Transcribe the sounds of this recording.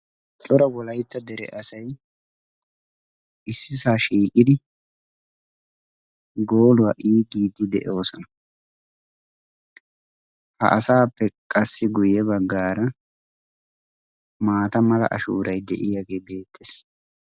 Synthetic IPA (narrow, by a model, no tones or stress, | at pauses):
t͡ʃʼɔɾɐwɔlɐjt̪ːɐd̪ɛɾɛ̰ʔɐsɐj | ɪsːɪsaːʃiːkʼːɪd̪ɪ | ɡoːlʊwaːʔiːɡiːd̪ːɪd̪ɛʔo̞ːsɔnɐ | hɐ̰ʔɐsaːpːɛkʼɐsːɪɡʊjɛbɐɡːaːɾɐ | maːt̪ɐmɐlɐ̰ʔɐ̰ʃṵːɾɐjd̪ɛ̰ʔɪjaɡe̞ːbe̞ːt̪ʰːes